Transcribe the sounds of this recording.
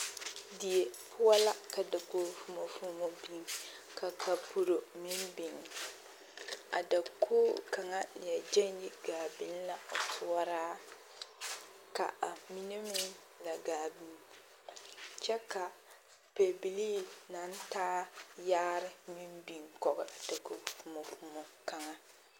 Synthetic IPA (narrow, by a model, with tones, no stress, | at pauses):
di˨e˨pʰʊ˦a˦la˦ka˨da˨koː˨fu˦mo˨fu˦mo˨bi˨ŋka˨kʰa˨bu˨ɾo˨mɪ˦mbi˨ŋ˨ | a̰˨da˨kʰoː˦ka˨ŋa˦nɪ˨ɛ˨d͡ʒɛ˦nji˦ɡaː˨bi˦n˦la˨tʰʊ˦ɔ˦ɾaː˦ | ka̰˨a˨mi˦ne˦mɪ˦n˦ | la˨ɡaː˨bi˨n˦ | t͡ʃɛ˦ka˨ | pe˨bi˨liː˦na˨˦n˦taː˦jaː˦ɾɪ˦mi˦mbi˨ŋkɔ˨ɡɪ˨ʔa˨da˨ko˦fu˨mo˨fu˦mɔ˨ka˨ŋa˦